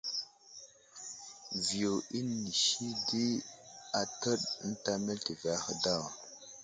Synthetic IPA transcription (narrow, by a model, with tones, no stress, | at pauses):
vi˨jo˨i˦ni˨ʃi˦di˦a˨tə˦ɗn̩˦ta˦me˦ltə˨va˦xə˨da˦˨w